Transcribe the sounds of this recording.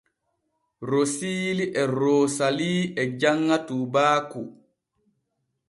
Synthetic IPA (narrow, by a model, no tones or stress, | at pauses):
ɾosiːliʔɛɾoːsaliːɛd͡ʒaŋːatuːbaːku